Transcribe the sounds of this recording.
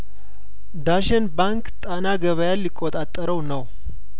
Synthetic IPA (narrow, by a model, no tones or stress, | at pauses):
d̪aʃenbaŋkt̪ʼanaɡəβəjalːɪkʼːot̪ʼat̪ʼːəɾəwnəw